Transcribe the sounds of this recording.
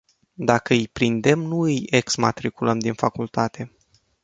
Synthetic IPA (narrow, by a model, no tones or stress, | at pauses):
d̪akəɨjpɾind̪e̞mnuɨjeksmat̪ɾikuləmd̪infakult̪at̪e̞